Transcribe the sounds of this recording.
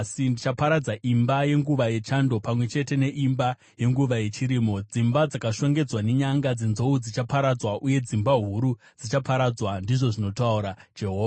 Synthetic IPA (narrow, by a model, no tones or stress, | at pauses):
sindit͡ʃapaɾad͡zaʔimbaje̞ŋɡuʋaje̞t͡ʃando̞pamwe̞t͡ʃe̞te̞ne̞ʔimba | je̞ŋɡuʋaje̞t͡ʃiɾiːmo̞d͡zimbad͡zakaʃo̞ŋɡe̞d͡zwane̞ɲaŋɡad͡zenzo̞ud͡zit͡ʃapaɾad͡zwaʔuje̞d͡zimbaɦuɾu | d͡zit͡ʃapʰaɾad͡zwandiʐo̞ʐino̞tauɾad͡ʒe̞ɦoːʋa